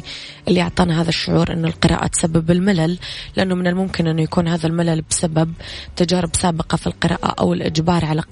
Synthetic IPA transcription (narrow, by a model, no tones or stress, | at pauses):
ʔɪlːiʔʊʕt̪ˤɑːnaɦaːðaʃːʊʕuːɾʔɪ̰nːʊlqɨɾˤʔɑ̰ːʔa̰t̪sabːɪbɪlmɪlallɪʔanːʊmɪnɪlmʊmkɪnʔɪnːʊjakuːnɦaːðalmɪlalbsababt̪ad͡ʒaːɾɪbsaːbɪqɑfilqɨɾˤɑ̰ːʔa̰ʔa̰wɪlʔɪ̰d͡ʒbɑːɾˤʕala